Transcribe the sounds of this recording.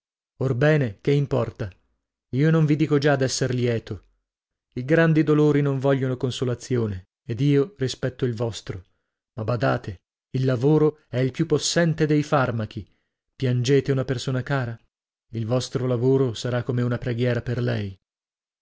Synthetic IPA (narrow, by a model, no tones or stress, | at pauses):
orbɛːnekeimpɔrt̪a | iːonoɱvid̪iːkod͡ʒad̪ɛsːerljɛːt̪o | iɡɾand̪id̪oloːɾinoɱvɔʎːonokonsolat̪sːjoːneː | d̪iːorispɛt̪ːoilvɔst̪ɾo | mabad̪aːt̪e | ilːavoːɾoɛilpjupːosːɛnt̪ed̪ejfarmak̟i | pjand͡ʒeːt̪eunapersoːnakaːɾa | ilvɔst̪ɾolavoːɾosaɾakːomeunapɾeɡjɛːɾaperlɛj